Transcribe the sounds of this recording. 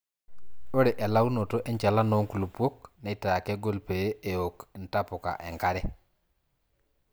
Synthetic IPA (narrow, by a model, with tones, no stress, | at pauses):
o˦ɾe˨ʔe˨la˦wu˦no˨to˦ʔe˦ɲt͡ʃa˨la˦no˦ŋku˨lu˨pwo˦kne˨˦ta˨a˨ke˦ɡo˦lpe˨je˦ʔe˨jo˨kn˨ta˦po˨ka̰˨ʔḛ˨ŋka˦ɾɛ˦